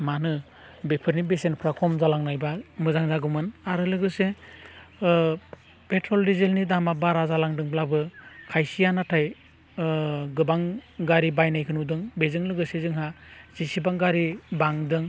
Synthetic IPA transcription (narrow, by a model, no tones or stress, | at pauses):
manɯ | bepʰɯɾnibesenpʰɾakʰɔmzalaŋnajbamɯzaŋzaɡɯmɯnaɾɯlɯɡɯse | petʰɾɔldizelnidamabaɾazalaŋdɯŋblabɯkʰajsijanatʰaj | ɡɯbaŋɡaɾibajnajkʰɯnudɯŋbezɯŋlɯɡɯsezɯŋɦaz̥isibaŋɡaɾibaŋdɯŋ